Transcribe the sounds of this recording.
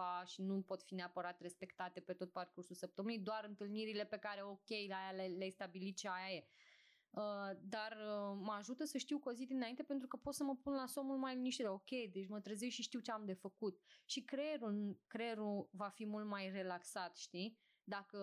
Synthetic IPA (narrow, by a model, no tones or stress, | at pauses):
aʃinupo̞t̪fineapəɾat̪re̞spe̞kt̪at̪e̞pe̞t̪o̞t̪̚parkursulsəp̚t̪əmɨnejd̪oaɾɨnt̪ɨlniɾile̞pe̞kaɾe̞o̞kʲe̞jlajalelajst̪abilit̪̚t͡ʃeajaje | əd̪arəməaʒut̪əsəʃt̪iwkot̪zid̪inaint̪e̞pe̞nt̪ɾukəpo̞t̪səməpunlaso̞mulmajliniʃt̪id̪eo̞kʲe̞jd̪e̞t͡ʃʲmət̪ɾezeʃiʃt̪iwt͡ʃe̞amd̪e̞fəkut̪̚ʃikɾeɾukɾeɾuvafimult̪majre̞laksat̪ʃt̪i | d̪akə